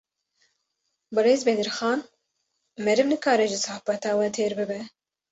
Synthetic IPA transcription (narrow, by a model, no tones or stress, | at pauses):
bɨɾeːzbɛd̪ɨɾxɑːn | mɛɾɨmnɨkɑːɾɛʒɪsɑːhbɛt̪ɑːwɛt̪ʰeːɾbɨbɛ